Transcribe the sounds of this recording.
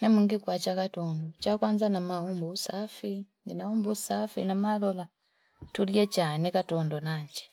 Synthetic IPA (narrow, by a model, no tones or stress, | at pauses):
nemuŋɡikwat͡ʃakatondot͡ʃakwanzanamahumbusafindinaumbusafḭnamalola | tuljɛt͡ʃanekatondonaɲd͡ʒe̥